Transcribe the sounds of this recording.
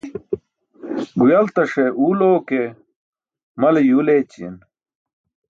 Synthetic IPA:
ɡujɐlt̪ɐʂeʔuːloːke | mɐlejulet͡ɕḭn

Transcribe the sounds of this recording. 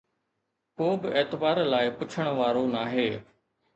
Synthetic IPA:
koːbɪeːt̪ɪbaːɾlaːɪpʊt͡ʃʰəɽ̃ʋaːɾoːnaːɦeː

